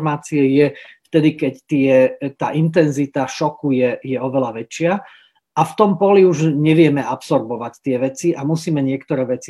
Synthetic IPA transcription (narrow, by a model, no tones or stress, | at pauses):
maːt͡siɛjɛft̪ɛd̪ikɛct̪ɪɛt̪a̰ːʔint̪̬ɛnzit̪aʃɔkujɛjɛɔʋɛlaʋɛt͡ʃɪa | ʔaft̪ɔmpɔliuʒɲɛʋɪɛmɛapsɔɾbɔʋact̪ɪɛʋɛt͡siʔamusiːmɛɲɪɛkt̪ɔɾɛːʋɛt͡si